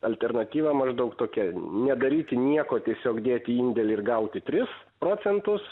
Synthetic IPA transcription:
ɐlʲt̪ʲɛrnɐt̪ʲiːʋɑːmɐʒd̪ɐʊkt̪oːkʲɛnʲɛd̪ɐɾʲiːt̪ʲɪnʲiɛkoːt̪ʲiɛsʲoːkd̪ʲeːt̪ʲɪiːnʲd̪ʲɛlʲɪɪrɡɐʊt̪ʲɪt̪ʲɾʲɪs | pɾoːt͡ssʲɛnt̪ʊs

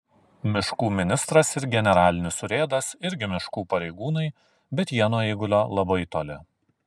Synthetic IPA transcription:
mʲɪʃkuːmʲɪnʲɪst̪ɾɐsɪɾɡʲɛnʲɛɾɑːlʲɪnʲɪsʊɾʲeːd̪ɐsɪɾʲɡʲɪmʲɪʃkuːpɐɾʲɛɪɡuːnɐɪ | bʲɛt̪jiɛnoːiːɡʊlʲoːlˠɐbɐɪt̪oːlʲɪ

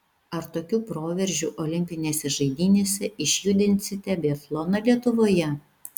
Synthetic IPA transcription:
ɐɾt̪oːkʲuːpɾoːʋʲɛɾʲʒʲuːʔoːlʲɪmʲpʲɪnʲeːsʲɛʒɐɪd̪ʲiːnʲeːsʲɛʔɪʃʲjʊd̪ʲɪnʲt̪sʲɪt̪ʲɛbʲɛːflˠoːnɐlʲiɛt̪ʊʋoːjɛ

